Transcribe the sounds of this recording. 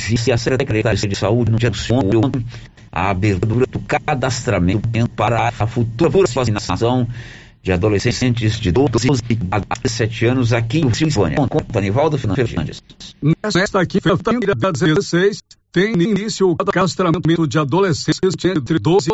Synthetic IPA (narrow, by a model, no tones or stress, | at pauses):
visɪɐsekɾeekɾet̪aɾusd͡ʒɪsaud͡ʒɪnʊ̃d͡ʒiɐsõoõt̪ | a̰abeɾt̪d̪uɾɐ̃d̪ʊkad̪ast̪ɾamẽt̪ẽpaɾɐffut̪uɾɐpuɾɐsfazinasasɐ̃w̃ | d͡ʒɪad̪olesẽsẽnt͡ʃɪzd͡ʒɪd̪od̪ozzasɛt͡ʃɪɐ̃nʊzakiʊsĩvõ̰niɐ̃kõt̪ɐnivawd̪ʊfeɾnɐ̃feɾd͡ʒḭ̃d͡ʒḭssnɛsɛst̪ɐkĩfeft̪ɐ̃ɾɐd̪ed̪ezesejst̪ẽj̃ininisjʊʊkd̪akast̪ɾamẽt̪mẽt̪ʊd͡ʒɪad̪olesẽsẽt͡ʃɪẽt̪ɾɪd̪ozɪ